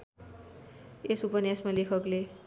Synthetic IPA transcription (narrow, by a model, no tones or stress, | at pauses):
esupʌnjasmalekʰʌkle